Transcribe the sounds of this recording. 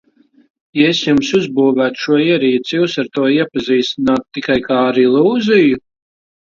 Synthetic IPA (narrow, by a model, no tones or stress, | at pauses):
jaesjumsuzbuːvæːt̪ʃuɔiɛɾiːt̪sjuːsaɾt̪uɔiɛpaziːst̪inaːt̪t̪ːikajkaːaɾilˠuːziju